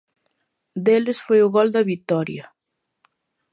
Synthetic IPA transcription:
d̪elɪsfojʊɣɔld̪ɐβit̪ɔɾjɐ

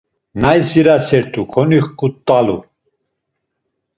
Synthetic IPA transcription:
najsiɾasɛɾt̪ʰʼukʰɔniχkʼut̪ʼːalṵ

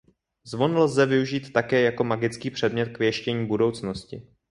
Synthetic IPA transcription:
zvo̞nlzɛvɪuʒiːt̪ːakɛːjako̞maɡɪt͡skiːpr̝̥ɛdmɲɛt̪kvɪjɛʃcɛɲiːbudo̞wt͡sno̞scɪ̰

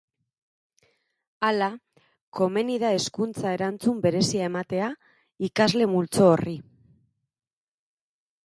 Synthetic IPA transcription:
ala | ko̞me̞niðae̞skunt͡sae̞ɾant͡sumbe̞ɾe̞siae̞mat̪e̞a | ikazle̞mult͡so̞ːri

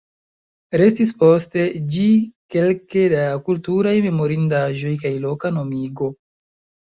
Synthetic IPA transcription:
ɾe̞stis̬po̞ste̞d͡ʒike̞lke̞dakultuɾajme̞mo̞ɾindaʒo̞jkajlo̞kano̞miɡo̞

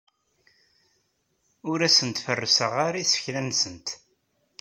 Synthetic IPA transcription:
ʊɾæsənt̪fərːəsəʁaɾisə̥çlænsənt̪

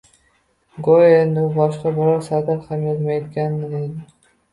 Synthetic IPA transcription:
ɡojend̪ʊbɒʃqɑbɪɾɑɾsat̪aɾhamjezmajd̪ɪɡʲanːed̪ɪ

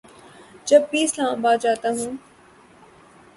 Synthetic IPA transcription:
d͡ʒəbːiːɪslãːmbaːd̪d͡ʒaːt̪aːɦũː

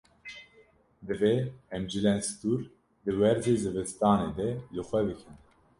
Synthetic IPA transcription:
d̪ɨveɛmd͡ʒɨlɛnst̪uːɾ | d̪ɨwɛɾzeːzɨvɨst̪ɑːneːd̪ɛlɨxʷɛbɨkʰɨn

